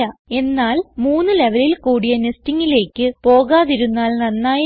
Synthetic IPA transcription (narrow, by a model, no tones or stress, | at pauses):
ɐe̞nːaːlmuːnːɨle̞ʋɐlilkuːɽijɐnestiŋːile̞ːkːɨpo̞ːɣaːðiɾunːaːlnɐnːaːj